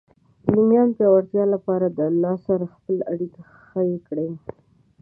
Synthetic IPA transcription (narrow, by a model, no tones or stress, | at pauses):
limjɑnpjɑwaɾt̪jɑlapɑɾad̪əlːɑsaɾaxpəlaɽika | xəjekɽe